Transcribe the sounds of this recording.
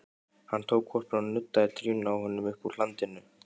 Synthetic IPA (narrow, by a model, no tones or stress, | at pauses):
hanːt̪ʰoːwkʰvɔr̥pɔnːʏt̪ːaɪɾt̪ʰɾyːnawhʏnːʏmʏhpulant̪ɪnːʏ